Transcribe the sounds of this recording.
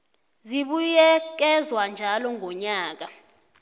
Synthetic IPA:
ziɓujɛk̬ɛzwand͡ʒʱalɔŋʱɔɲaːk̬a

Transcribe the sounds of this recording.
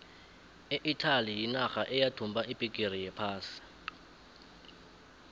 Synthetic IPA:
eʔitʰalijinaxaʔɛjatʰumbʱaipʼikʼir̤ijɛpʰaːsi̥

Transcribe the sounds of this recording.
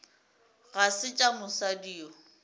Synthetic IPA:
ɣasɪt͡ʃʼamʊsadiːɔ

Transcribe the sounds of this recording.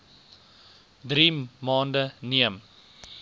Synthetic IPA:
dɾimɑːndəniəm

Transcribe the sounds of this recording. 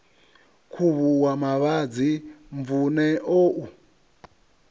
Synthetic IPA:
kʰuβuwamaβad͡ziɱvunɛʔoʔu

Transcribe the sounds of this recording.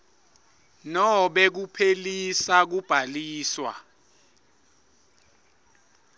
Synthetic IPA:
nɔɓɛk̬upʰelisak̬ub̥ʱaliːswa̰

